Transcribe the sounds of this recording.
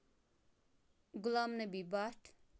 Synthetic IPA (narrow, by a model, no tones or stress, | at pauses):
ɡulamnebibaʈ